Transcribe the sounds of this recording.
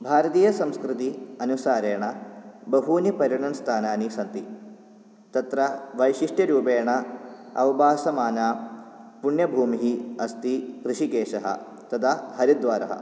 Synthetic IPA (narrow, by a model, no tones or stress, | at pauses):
bʱaːɾɐt̪iːjɐsɐmskɾɪt̪iɐnusaːɾeːɳɐbɐɦuːnipɐɾjɐɳɐnst̪ʰaːnaːnisɐnt̪i | t̪ɐt̪ɾɐʋɐjʃiʂʈjɐɾuːpeːɳɐɐ̰ʋɐbaːsɐmaːnaːpuɳjɐbʱuːmiɦiɐst̪ikɾɨʃikeːʃɐɦɐ̰ | t̪ɐt̪ʰaːɦɐɾid̪ʋaːɾɐ̰ɦɐ̰